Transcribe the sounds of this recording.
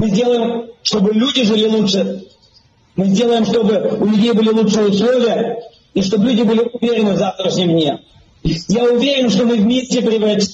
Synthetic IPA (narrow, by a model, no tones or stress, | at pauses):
mɨzʲdʲe̞lˠəjɪmʂt̪o̞bɨlʲudʲɪʐɨlʲɪlˠutʂɨ | mɨzʲdʲe̞lˠəjɪmʂt̪o̞bɨʊlʲʉdʲejbɨlʲɪlˠut͡ʂʂɨjəʊslˠo̞vʲɪjə | iʂ̬t̪oblʲudʲɪbɨlʲɪʊvʲeɾʲɪnɨvzaft̪ɾəʂnʲɪmdʲnʲe | jaʊvʲeɾʲɪnʂt̪o̞mɨvmʲesʲtʲɪpɾʲɪvɾɐtʲ